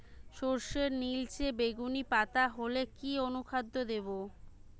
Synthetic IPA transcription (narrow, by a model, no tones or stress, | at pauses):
ʃoɾʃeɾnilt͡ɕebeɡunipat̪aɦolekionukʰad̪ːod̪ebo